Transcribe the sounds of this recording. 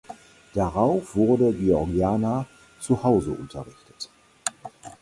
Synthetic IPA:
d̥aʁaʊfv̥ʊɐdəɡiɔʁɡiaːna | t͡suhaʊzəʔʊ̰ntʰɐʁɪçtə̥t

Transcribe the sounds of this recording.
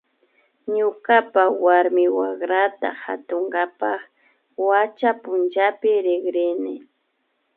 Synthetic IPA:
ɲʊkapawaɾmɪwaχɾat̪a̰ha̰t̪oŋɡapɑχ | wat͡ʃapʊnt͡ʃapɪɾɪɡɾɪnɪ

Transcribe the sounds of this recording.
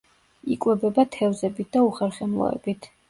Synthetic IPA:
ikʼwɛbɛbat̪ʰɛvzɛbit̪̚ʰd̪auχɛɾχɛmlˠɔ̰ɛ̰bit̪ʰ

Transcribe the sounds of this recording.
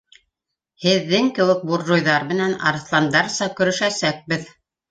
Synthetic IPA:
hɘ̆ðːɘŋkɘ̆wɘk̚buɾʒujðɑɾmɘ̆nænɑ̰ɾɤ̆θlˠɑnd̪ɑɾsɑkɵ̆ɾɵ̆ʃæsæk̚bɘð

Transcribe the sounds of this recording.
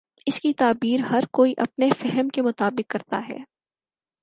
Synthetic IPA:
ɪskit̪aːbiːɾhɐɾkoːiʔɐpnefɛɦɛmkemʊt̪aːbɪkːɐɾt̪a̰ɦɛ̰ː

